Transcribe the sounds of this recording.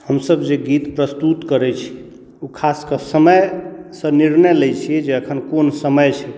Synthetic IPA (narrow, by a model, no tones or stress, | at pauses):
həmsəbd͡ʒeɡit̪pɾəst̪ut̪kəɾɛt͡ʃʰi̥ | ukʰaskəsəməjsə̃niɾnəjlɛjt͡ʃʰiɛd͡ʒeəkʰənkonsəməjt͡ʃʰɛ